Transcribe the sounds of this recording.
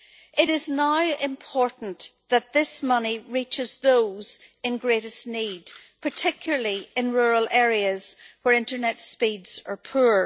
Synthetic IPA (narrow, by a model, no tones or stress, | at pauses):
ʔɪɾɪznaʊʔɪ̃mpʰɔɹʔn̩ðət̪̚ðɪsmʌniɹit͡ʃɪzðoːz̥ | ɨ̃nɡɹeɾɨsnidpʰə˞tʰɪkjl̩ˠə˞lˠiɪ̃nɹuɹəlˠʔɛɹiəz̥wə˞ɪ̃ntə˞nɛtspidz̥ə̰˞pʰʉɹ